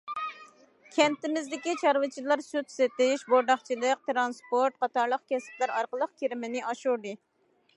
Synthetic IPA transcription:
kʲʰɛnt̪ɪmɪzd̪ɪkʲit͡ʃʰɑɾvɨt͡ʃʰilˠɑɾsut̪set̪ɪʃboɾd̪ɑχt͡ʃʰilˠəq̚t̪ɾɑnspoɾt̪̚qʰɑt̪ɑɾlˠəq̚kʲɛsɪ̥plæɾɑɾqəlˠəqkʲʰiɾɪmɪnɪʔɑʃuɾd̪ɨ

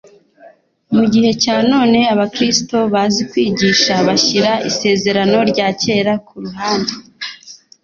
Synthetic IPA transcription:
muɟihe̞caːno̞ːne̞aβakɾisto̞βazikwiːɟiːʃaβaçiɾaʔise̞ːze̞ɾano̞ɾɟaːce̞ːɾakuɾuɦaːnde

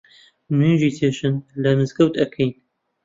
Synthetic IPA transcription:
nunʒiːt̪ʰeːʃɨnlɐmɨzɡɐwt̪ɐkʰejn

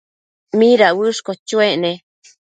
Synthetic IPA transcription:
mĩɾawɨʂkot͡ʃueʔnẽ

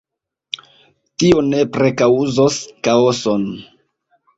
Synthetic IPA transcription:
tio̞ne̞pɾe̞kauzoskaoson

